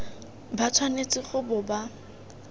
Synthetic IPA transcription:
bat͡sʰwanet͡sʼɪχʊbʊba

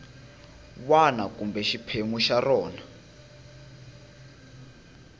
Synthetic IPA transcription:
wanakumbɛʃipʰeŋuʃarɔːna

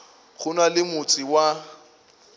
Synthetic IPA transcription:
ɣʊnalɪmʊt͡sʼɪwa

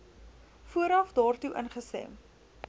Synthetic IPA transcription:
fuəɾɐfdɑːrtuʔə̰nχəstɛ̰m

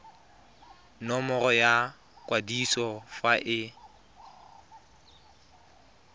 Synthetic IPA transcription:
nɔmɔrɔja | kʼwadisɔfaʔɪ

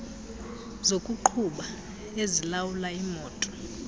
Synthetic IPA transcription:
zokʼuǃʰuɓa | ezilawulaimɔːtʼɔ̥

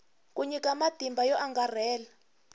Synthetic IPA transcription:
kʼuɲikʼamad̥ʱimbʱajɔʔaŋɡʱarɛːla

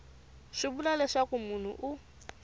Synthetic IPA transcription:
ʂibulalɛʂakumun̤ṵʔu

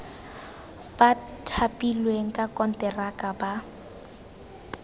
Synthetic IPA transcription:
b̥atʰapʼilweŋ̩kʼakʼɔn̩tʼɛrakʼaba

